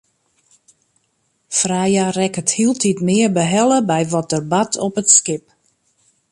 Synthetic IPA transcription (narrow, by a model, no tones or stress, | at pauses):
frajarɛkəthilˠtitmɪərbəɦɛlˠəbɛjʋɔt̚dərbatʰɔpətskɪp̚